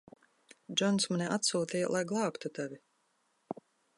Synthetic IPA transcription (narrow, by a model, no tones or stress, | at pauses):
d͡ʒɔnsmaniʔat̪suːt̪ija̰lˠajɡlˠɑːpt̪ut̪avʲi